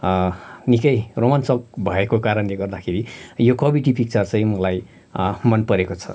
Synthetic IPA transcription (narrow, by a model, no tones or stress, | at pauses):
nikʌjromansʌk̚bʱʌekokaɾʌnleɡʌrd̪akʰeɾijokʌbiʈipʰik̚t͡sʌrt͡sʌ̃j̃mʌlaj | mʌnpʌɾekot͡sʰʌ̰